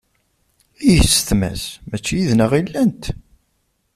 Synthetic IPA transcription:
ijəsθmæ̰smæt͡ʃːijiðnəʁilːænt̪

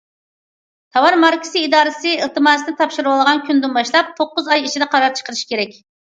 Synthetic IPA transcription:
t̪ʰɑwɑɾmɑɾkʲʰɪ̥sɨid̪ɑːɾɨsɨilˠt̪ʰɨmɑːsnɨt̪ʰɑpʃuɾɨwɑlˠəʁɑnkʲʰynd̪unbɑʃlˠɑp̚t̪ʰoqːʊzɑjit͡ʃʰid̪ɛqʰɑɾɑp̚t͡ʃʰə̥qʰəɾɨʃkʲʰeɾɛkʲ

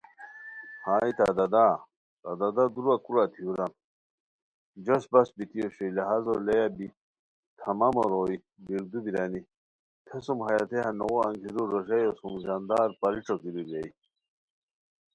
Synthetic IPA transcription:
haːit̪ad̪ad̪a | t̪ad̪ad̪ad̪uɾakuɾat̪ʰiuɾan | d͡ʑɐsbɐsbit̪ijoɕeleɦazolejabi | t̪ʰɐmamoɾoi | biɾd̪ubiɾani | t̪ʰesumhɐjat̪ʰehanoɣoɐŋkʰiɾuɾoɕɐjosumzand̪aːɾpɐɾiʈ͡ʂokiɾubaj

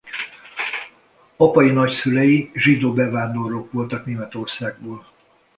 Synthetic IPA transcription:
ɒpɒjinɒcsylɛjiʒid̪oːbɛvaːnd̪o̞roːkʋo̞lt̪ɒkneːmɛt̪o̞rsaːɡ̚boːl

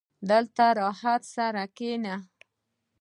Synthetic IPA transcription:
d̪əlt̪aɾɑhat̪saɾakena

